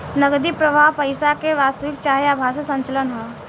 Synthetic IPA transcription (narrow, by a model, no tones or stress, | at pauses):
nəɡd̪ipɾəbʱaːpəɪsakeʋaːst̪əʋɪkt͡ʃaːɦjaːbʱaːsesə̃ɲt͡ʃələnɦɛː